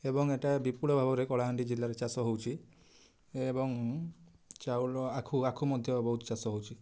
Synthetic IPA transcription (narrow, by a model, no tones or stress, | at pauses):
ebɔŋeʈabipuɭɔbʱabɔɾekɔɽɭaɦaɳɖid͡ʒilːaɾet͡ʃasɔɦowt͡ʃʰi | ebɔŋ | t͡ʃawlɔakʰuakʰumɔd̪ʱjɔbɔɦut̪ɔt͡ʃasɔɦowt͡ʃʰi